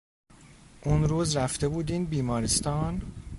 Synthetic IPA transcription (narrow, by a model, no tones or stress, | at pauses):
ʔunɾuːzɾæft̪e̞buːd̪iːnd̪biːmɒːɾest̪ɒːn